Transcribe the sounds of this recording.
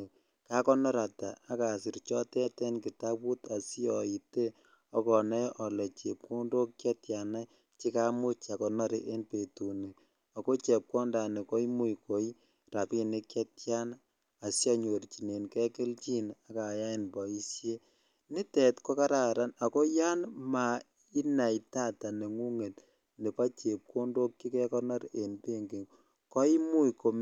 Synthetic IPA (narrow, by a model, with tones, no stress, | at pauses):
ka˦kɔ˦nɔ˦ɾa˨ta̰˨a˦ka˨si˨ɾt͡ʃɔ˦tɛ˦tɛ˦nki˨ta˦pu˦ta˨si˦ɔ˨i˨te˦ | ɔ˦kɔ˨nɛ˦ʔɔ˨lɛ˨t͡ʃe˨p̚ku˦ndo˦kkɛ˦tja˨na˦ | t͡ʃi˦ka˦mu˦t͡ʃa˨kɔ˨nɔ˦ɾḭ˦ʔe˦npe˨tu˨ni˨ | a˨ko˦t͡ʃɛ˨p̚kɔ˦nda˨ne˨ko˦i˦mu˦jko˨˦j | ra˨pi˦ni˦kjɛ˦tja˦n | a˨sja˦ɲo˨ɾt͡ʃi˨ne˨nkɛ˦kɪ˦lt͡ʃi˦na˨ka˨ja˦inpɔ˨i˦sje˦ | ni˦tɛ˨tkɔ˦ka˦ɾa˨ɾa˦na˨ko˦ja˦nma˨ | i˦na˨ita˦ta˨ne˨ŋu˦ŋe˨t | ne˨pa˦t͡ʃe˨p̚ko˦ndo˦kkːi˦kɛ˦kɔ˦nɔ˦ɾe˨npe˦ŋɡe˨ŋ | kɔ˦i˦mu˦ko˨m